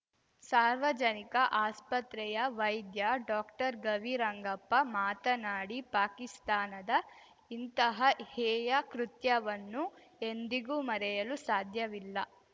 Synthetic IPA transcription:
saːɾʋɐd͡ʒɐnikɐʔaːspɐt̪ɾɛjɐʋɐjd̪jɐɖaːkʈɐɾɡɐʋiɾɐŋɡɐpːɐmaːt̪ɐnaːɽipaːkist̪aːnɐd̪ɐ | int̪ɐɦɐhɛːjɐkɾut̪jɐʋɐnːu | end̪iɡuːmɐɾɛjɐlusaːd̪ʱjɐʋilːɐ

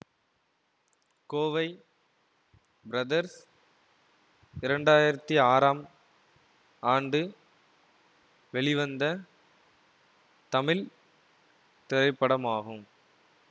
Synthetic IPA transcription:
koːʋɐɪ | bɾɐðɐɾs | ɪɾɐɳɖaːjɪɾɐt̪ːiaːɾaːm | aːɳɖɯ | ʋɛɭɪʋɐnd̪ɐ | t̪ɐmɪl | t̪ɪɾɐɪpːɐɽɐmaːɣɯm

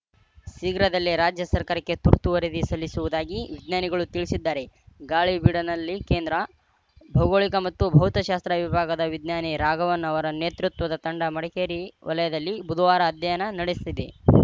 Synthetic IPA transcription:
siːɡɾɐd̪ɐlːiɾaːd͡ʒjɐsɐɾkaːɾɐkːe̞t̪uɾt̪uʋɐɾed̪isɐlːisuʋud̪aːɡiʋid̪ɲaːniɡɐɭut̪iɭisid̪ːaːɾe̞ɡaːɭibiɽɐnɐlːikeːnd̪ɾɐ | bʱɐwɡoːɭikɐmɐt̪ːubʱɐɦut̪ɐʃaːst̪ɾɐʋibʱaːɡɐd̪ɐʋid̪naːniɾaːɡɐʋɐnːɐʋɐɾɐne̞ːt̪ɾut̪ʋɐd̪ɐt̪ɐɳɖɐmɐɽɛkeːɾiʋɐ̰lɐjɐd̪ɐlːibud̪ʋaːɾɐːd̪jɐjɐnɐnɐɽest̪id̪ḛ

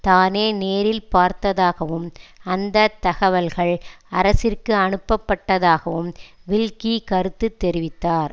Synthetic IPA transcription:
t̪aːneːneːɾɪlpaːɾt̪ɐðaːɣɐʋɯmɐnd̪ɐt̪ːɐɣɐʋɐlɣɐɭ | ɐɾɐsɪrkɯɐɳɯpːɐpːɐʈːɐðaːɣɐʋɯmʋɪlkikɐɾɯt̪ːɯt̪ːɛɾɪʋɪt̪ːaːɾ

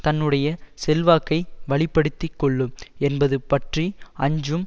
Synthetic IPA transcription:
t̪ɐnːɯɽɐjɐsɛlʋaːkːɐɪʋɐɭɪpːɐɽɯt̪ːɪkːɔɭːɯmɛnbɐðɯpɐʈriɐɲd͡ʒɯm

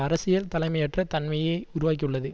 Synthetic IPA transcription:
ɐɾɐsɪjɐlt̪ɐlɐɪmɐjɛʈrɐt̪ɐnmɐjeʊɾʊʋaːk̬ːiɯɭːɐðɯ

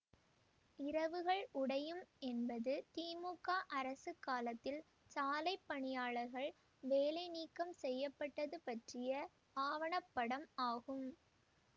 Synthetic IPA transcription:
ɪɾɐʋɯɣɐɭʔʊɽɐjɯmɛnbɐðɯt̪iːmuːkːaːʔɐɾɐsɯkːaːlɐt̪ːɪl | t͡ʃaːlɐɪpːɐɳɪjaːɭɐɾɣɐɭ | ʋeːlɐɪniːkːɐmsɛjːɐpːɐʈːɐðɯpɐʈrɪjɐ | aːʋɐɳɐpːɐɽɐmaːɣɯm

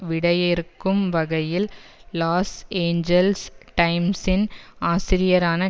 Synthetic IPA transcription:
ʋɪɽɐjɪɾɯkːɯmʋɐɣɐjɪlːaːseːɲd͡ʒɐlsʈɐɪmsɪnaːsɪɾɪjɐɾaːnɐ

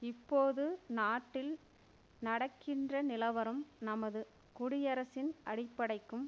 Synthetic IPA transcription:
ɪpːoːðɯnaːʈːɪl | nɐɽɐkːɪndrɐnɪlɐʋɐɾɯmnɐmɐðɯ | kʊɽɪjɐɾɐsɪnʔɐɽɪpːɐɽɐɪkːɯm

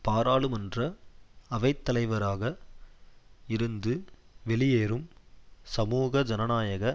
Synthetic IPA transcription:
paːɾaːɭɯmɐndrɐɐʋɐɪt̪ːɐlɐɪʋɐɾaːɣɐ | ɪɾɯnd̪ɯ | ʋɛɭɪjeːɾɯmsɐmuːɣɐd͡ʒɐnɐnaːjɐɣɐ

